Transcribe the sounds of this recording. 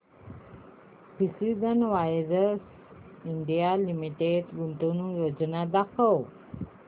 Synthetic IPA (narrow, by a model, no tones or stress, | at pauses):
pisizənʋajɾəs | iɳɖijalimiʈeʈɡunt̪unũjod͡ʒənad̪akəw